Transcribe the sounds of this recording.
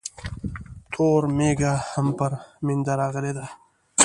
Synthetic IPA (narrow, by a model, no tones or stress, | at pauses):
t̪ʰoːɾmeɡahampəɾmɪnd̪aɾaɣəled̪a